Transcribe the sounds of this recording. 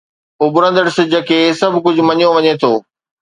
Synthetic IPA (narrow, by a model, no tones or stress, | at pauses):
ʊbɾə̃nd̪əɽsɪd͡ʑəkʰeːsɐbʱkʊd͡ʑʱʊ̆mɐɲjoʋɐɲet̪ʰoː